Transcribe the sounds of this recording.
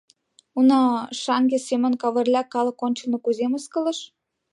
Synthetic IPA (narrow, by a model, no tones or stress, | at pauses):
unɑʃɑŋɡesemə̆nkɑβə̆rlʲɑkɑlə̆konʲt͡ɕə̆lnŏkuzeməskə̆lə̆ʃ